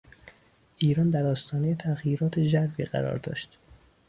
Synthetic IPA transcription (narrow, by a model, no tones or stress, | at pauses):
ʔiːɾɒːnd̪æɾɒːst̪ɒːnejet̪ʰæɣjiːɾɒːt̪ʰed͡ʒæɾfiːɢæ̰ɾɒ̰ːɾd̪ɒ̰ːʃt̪